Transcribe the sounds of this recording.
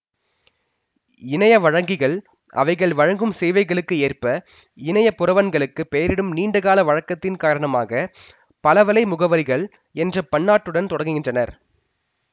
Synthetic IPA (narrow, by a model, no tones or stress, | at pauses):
ɪnɐjɐʋɐɻɐŋɡɪɣɐɭ | ʔɐ̰ʋɐɪɣɐɭʋɐɻɐŋɡɯmseːʋɐɪɣɐɭɯkːɯeːrpɐ | ɪnɐjɐpːʊɾɐʋɐnɡɐɭɯkːɯpeːɐɾɪɽɯmniːɳɖɯɣaːlɐʋɐɻɐkːɐt̪ːɪnkaːɾɐɳɐmaːɣɐ | pɐlɐʋɐlɐɪmʊɣɐʋɐɾɪɣɐɭ | ɛndrɐpɐɳːaːʈːɯɽɐnt̪ɔɽɐŋɡɯɣɪndrɐnɐɾ